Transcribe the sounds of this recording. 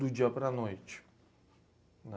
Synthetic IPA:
ud͡ʒapʼɾanoit͡ʃ | na

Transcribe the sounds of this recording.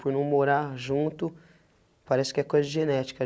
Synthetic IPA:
pʊɾnɐ̃w̃moɾaɾʒũnt̪ʊ | paɾɛsɪ̥kɪɛkojzɐʒenɛt͡ʃi̥kɐ

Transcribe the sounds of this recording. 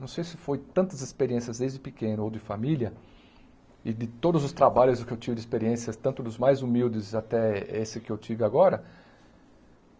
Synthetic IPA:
nɐ̃w̃sejsɪfojt̪ɐ̃nt̪ɐzɪspeɾiẽsiɐzd̪ejzd͡ʒɪpɪkẽnʊowd̪ɪfamiljɐ | ɪd̪ɪt̪od̪ʊzʊst̪ɾabaʎʊzʊkɪewt͡ʃivɪd͡ʒɪspeɾiẽsjɐst̪ɐ̃nt̪ʊd̪ʊzmajzumiwdɪzat̪ɛesɪkɪewt͡ʃivɪaɡɔɾɐ

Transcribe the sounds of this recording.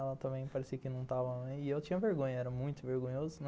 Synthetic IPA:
ɛlɐt̪ɐ̃mbẽj̃paɾesiɐkɪnɐ̃w̃t̪avɐm̃ɛ̃j̃ɪewtt͡ʃĩɲɐveɾɡõɲɐɛɾɐmũj̃t̪ʊveɾɡõɲozʊn

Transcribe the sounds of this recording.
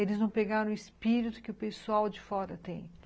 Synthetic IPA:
elɪznɐ̃w̃peɡaɾɐ̃ɪspiɾit̪ʊ̥kɪʊpesuawd͡ʒɪfɔɾɐt̪ẽj̃

